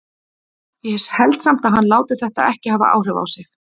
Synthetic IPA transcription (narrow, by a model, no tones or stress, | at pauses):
jɛhɛshɛlt̪sam̥t̪aðɦanːlaːwt̪ɪɾ̥θɛht̪a̰ðɛhcɪhaːva̰ʔa̰ːwr̥ɪva̰wsɪx